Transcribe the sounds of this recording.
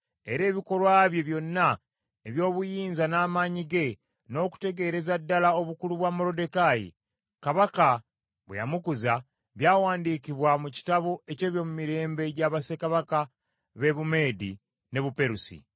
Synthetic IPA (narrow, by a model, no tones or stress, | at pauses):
e̞ɾe̞ːβiko̞ɾwaːβje̞βjo̞nːa | eβjo̞ːβujiːnzanaːmaɲiɡe̞ | no̞ːku̥te̞ɡe̞ɾe̞zadːalao̞βukuluβwamoɾo̞de̞kajḭ | kaβaka | βwḛja̰mukuza | βjaːwaːndiːkiβwamuci̥taβo̞e̞ce̞ːβjo̞mumiɾe̞ːmbe̞ɟaβasekaβaka | βe̞βume̞ːdi | ne̞βupe̞ɾusḭ